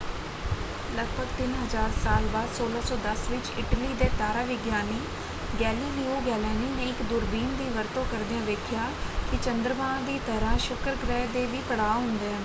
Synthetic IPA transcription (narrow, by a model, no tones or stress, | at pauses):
ləɡ̚bʱəɡt̪ɪnɦəzaːɾsaːlbaːd̪soːlaːsɔːd̪əsʋɪt͡ʃɪʈəliːd̪eːt̪aːɾaːʋɪɡjaːniː | ɡɛːliːliːoːɡɛːlɛːniːnẽːɪkd̪ʊɾbiːnd̪iːʋəɾt̪õːkəɾd̪ɪjãːʋeːkʰɪjaːkɪt͡ʃənd̪ɾəʋãːd̪iːt̪əɾãːʃʊkɾɡɾɛːd̪eːʋiːpəɽaːɦʊ̃nd̪eːɛː